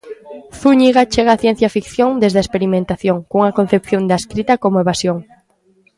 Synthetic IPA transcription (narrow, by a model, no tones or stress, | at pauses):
θuɲiɣat͡ʃeɣaːθjen̟θjafikθjõŋd̪ezðaespeɾimẽnt̪aθjoŋkuŋɐkon̟θep̚θjõnd̪askɾit̪akomoeβasjoŋ